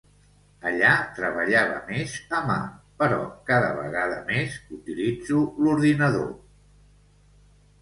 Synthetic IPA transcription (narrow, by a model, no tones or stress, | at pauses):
əʎat̪ɾəβ̞əʎaβ̞ə̰mezəmapəɾɔ̰kaðəβə̰ɣaðəmezut̪ilid͡zuluɾðinəðo̰